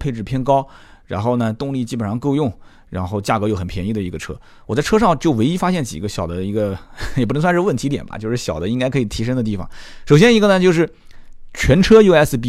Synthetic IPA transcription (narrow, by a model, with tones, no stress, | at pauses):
pʰe˥˧ɪʈ͡ʂɻ̩˥˩pʰjɛ˥nkɑ˥ʊɻa̰˧˥nxo˥˩ʊnə˩t̪ʊ˥˧ŋli˥˩t͡ɕi˥pə˨nʂɑ˥˧ŋko˥˧ʊjʊ˥˩ŋ | ɻa̰˧˥nxo˥˧ʊt͡ɕja˥˩kɤ˧˥jo˧˩ʊxə˨˩npʰjɛ˧˥ni˧˥˩d̪ə˩i˧˥ɡə˧ʈ͡ʂʰɤ̰˥ | wɔ˨˩t͡sa˥˩ɪʈ͡ʂʰɤ˥ʂɑ˥˩ŋt͡ɕjo˥˩ʊwe˧˥ɪi˥fa˥ɕjɛ˥˩nt͡ɕḭ˨˩ɡə˦ɕjɑ˨˩ʊd̪ə˦i˧˥ɡə˧jpu˥˧˥swʂɻ̩˥˧wə˥˩nt̪ʰi˧˥t̪̬jɛ̰˨˩nbɐ̰˦t͡ɕjo˥˧ʊʂɻ̩˥˩ɕjɑ˨˩ʊd̪ə˦i˥ŋka˥ɪkʰɤ˧˥i˨˩t̪ʰi˧˥ʂ̬ɤ˥ŋd̪ə˧t̪̬i˥˩fɑ̰˨˩ŋʂo˨˩ʊjɛ˥ni˧˥ɡə˧nə˨t͡ɕjo˥˧ʊʂ̬ɻ̩˥˩ | t͡ɕʰɥɛ˧˥nʈ͡ʂʰɤ˥jo˥˧ɛ˥sɹ̩˧p̬i˥